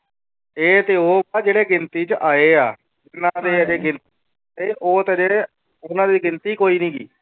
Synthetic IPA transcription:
eːt̪eːoːbaːd͡ʒeːɽeːɡɪnt̪iːt͡ʃəʔaːeːaː | ɪnãːd̪eːəd͡ʒeːɡɪnt̪i | eːʔoːt̪eəd͡ʒeː | ʊnãːd̪iːɡɪnt̪iːkoːiːnĩːɡḭː

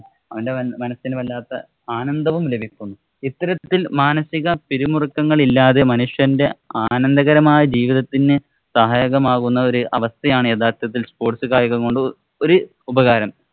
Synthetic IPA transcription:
ɐʋɐndeɐmɐnɐsinɨʋɐlːaːt̪ːɐ | aːnɐnd̪ɐʋumlebʱikʲːunːu | it̪ːɐɾɐt̪ːilmaːnɐsiɣɐpiɾimurukːɐŋːɐɭilːaːðe̞mɐnuʂjɐnde̞aːnɐnd̪ɐɣɐɾɐmaːjɐd͡ʑiːʋiðɐt̪ːinɨ | sɐɦaːjɐɣɐmaːɣunːɐo̞ɾuʔɐʋɐst̪ʰɐjaːɳɨe̞ːðaːrt̪jɐt̪̬ːilspo̞ːʈsɨɣaːjɐɣɐŋkoɳɖɨ | o̞ɾu | ubɐɣaːɾɐm

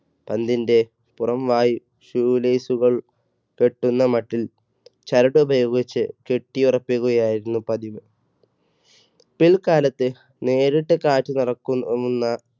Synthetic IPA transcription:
pɐnd̪inde̞ | purɐmʋaːji | ɕuːleːsuɣɐɭ | ke̞ʈːunːɐmɐʈːil | t͡ɕɐɾɐɽɨubʱɐjo̞ːɡit͡ɕːɨke̞ʈːijurɐpːiɣuɣɐjaːjiɾunːupɐðiʋɨ | piɭkaːlɐt̪ːɨ | ne̞ːɾiʈːɨkaːtːunirɐkːunːɐ

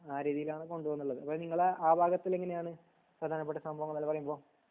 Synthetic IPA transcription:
aːɾiːðijilaːɳɨko̞ɳɖuʋonːuɭːɐðɨʔɐpːoːniŋːɐɭeaːbʱaːɡɐt̪ːileŋːɡɐnejaːɳɨ | prɐd̪ʱaːnɐp̬eʈːɐsɐmbʱɐʋɐŋːɐɭɐlːɐpɐrɐjumbo̞ː

